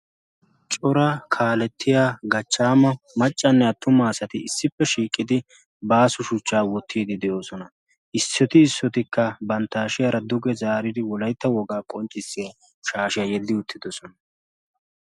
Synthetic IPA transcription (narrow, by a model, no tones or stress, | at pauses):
t͡ʃʼɔɾɐkʰaːlɛt̪ʰːɪjaːɡɐt͡ʃːaːmɐ | mɐt͡ʃʼːɐnːɛɐt̪ːʊmaːsɐt̪ɪɪsːɪpːɛʃiːkʼːɪd̪ɪ | baːsʊʃʊt͡ʃːaːwɔt̪ʰːiːd̪ɪd̪ɛjo̞ːsɔnɐ | ʔɪsːɔt̪ɪːsːɔt̪ɪkːɐbɐnt̪ːaːʃɪjɐɾɐd̪ʊɡɛzaːɾɪd̪ɪwɔlɐjt̪ːɐwɔɡaːkʼɔnt͡ʃʼːɪsːɪjɐ | ʃaːʃɪjɐjɛd̪ːɪʊt̪ːɪd̪ɔsɔnɐ